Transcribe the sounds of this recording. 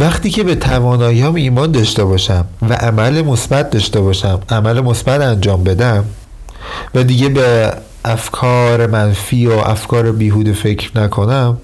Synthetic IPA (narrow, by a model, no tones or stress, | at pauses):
væχt̪iːcʰe̞be̞t̪ʰævɒːnɒːjɒːmiːmɒːnd̪ɒʃt̪e̞bɒːʃæmvæ̰ʔæmælemo̞sbæt̪̚ʰd̪ɒːʃt̪e̞bɒːʃæmʔæmæle̞mo̞sbæt̪ʰænd͡ʒɒːmbe̞d̪æm | væd̪iɟe̞be | ʔæfkʰɒːɾemænfiːoʔæ̰fkʰɒːɾebiːɦuːd̪efe̞cʰɾnækʰo̞næm